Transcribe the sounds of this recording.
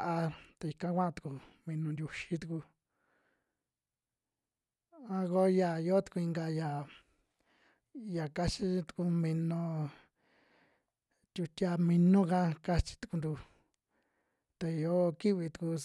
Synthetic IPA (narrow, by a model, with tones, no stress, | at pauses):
a˧t̪e˧i˧kã˦kʷã˦ã˧u̥˨ku˧mĩ˧nũ˧nd̪ʲju˧ʃi˦t̪u˧ku˧ | ã˧ko˦ja˨jo˦t̪u̥˧ku˧i˧ŋɡa˧ja˨ | ja˨ka˦t͡ʃi˦t̪u̥˧ku˧mĩ˧nõ˧ | t̪ʲu˧tʲa˧mĩ˧nũ˦kã˦ka˦˧t͡ʃi̥˧t̪u̥˧ku˧nd̪u˧ | t̪e˧jo˦ki˦βi˧t̪u̥˧ku˧